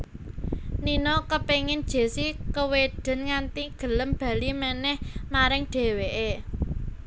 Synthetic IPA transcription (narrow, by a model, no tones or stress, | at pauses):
ninɔkəpeŋɪnd̥ʒ̥e̤sikəweɖ̥ə̤nŋant̪iɡ̥ə̤ləmb̥a̤limənɛhmaɾɪŋɖ̥e̤weʔe